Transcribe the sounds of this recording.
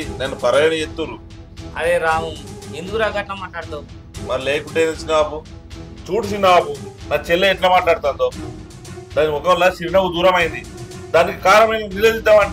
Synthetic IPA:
nenːupɐɾɐjɐnɐjet̪ːuɾu | ɐ̰deːɾaːɦuend̪ukuɾaːɡaːʈlaːmaːʈlaːɽt̪a | mɐɾileːkuʈejnesinaːku | t͡ʃuːʈis̬inaːkunaːt͡ʃelːeɛʈlaːmaːʈlaːɽt̪and̪oː | d̪aːnimɔkɐʋɐlːasiɾinɐɡud̪uːɾɐmɐjind̪i | d̪aːnikikaːɾɐmɐjnɐnileːd̪it̪ːamɐɳ

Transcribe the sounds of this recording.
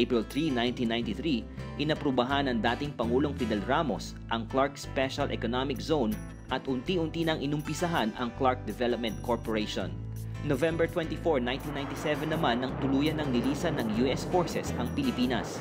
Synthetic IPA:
pɹɪlθɹinajnt̪inaj̃nt̪iθɾiʔɪnɐpɾʊbɐɦanɐŋd̪aːt̪ɪŋpɐŋuːlo̞ŋfid̪ɛlɹamo̞s | ʔɐŋklaɹkspɛʃɐlʔɛ̰konamɪkzown | ʔɐt̪ʔʊnt̪iʔʊnt̪inɐŋʔɪnʊmpɪsɐɦanɐ̰ŋklaɹk̚d̪ɛvɛlp̚mɛ̃nt̪̚kʰoɹpoɹejʃo̰n | novɛmbɛɹt̪wɛ̃nt̪ifoɹnaj̃nt̪inaj̃nt̪isɛvɛnːɐmanːɐŋt̪ʊluːjɐnɐŋlɪliːsɐnɐŋjuʔɛsfoɹsɛsɐŋpɪlɪpiːnɐ̰s

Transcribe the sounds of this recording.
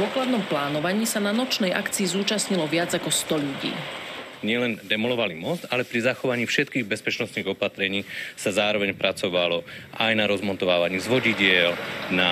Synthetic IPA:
ɔklad̪nɔmplaːnɔʋaɲiːsananɔt͡ʃnɛjʔa̰kt͡siːzuːt͡ʃasɲilɔʋɪad͡zakɔst̪ɔʎuɟḭː | ɲɪɛlɛnd̪ɛmɔlɔʋalimɔzt̪alɛpɾizaxɔʋaɲiːfʃɛt̪kiːɣbɛspɛt͡ʃnɔst̪niːɣɔpat̪ɾɛɲiːsazaːɾɔʋɛɲpɾat͡sɔʋalɔʔajnaɾɔzmɔnt̪ɔʋaːʋaɲiːzʋɔɟiɟɪɛlna

